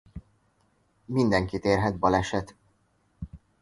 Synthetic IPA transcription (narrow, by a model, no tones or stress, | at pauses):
mind̪ɛŋkit̪eːrɦɛd̪̚bɒlɛʃɛt̪